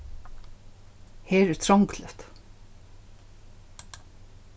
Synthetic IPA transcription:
hɛːɾɛɾ̥t̪ʰɾɔŋklʏft̪

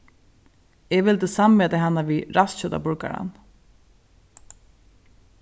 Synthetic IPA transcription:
ɛʋɪlt̪əsamvɛːt̪aɦanːaʋiɾast̪ɕœt̪a̰pʊɹka̰ɾa̰n

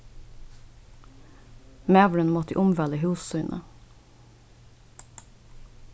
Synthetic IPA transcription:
meːʋɽənmɔt̪əʔʊmʋɛləɦuːsʉʏnʔə̰

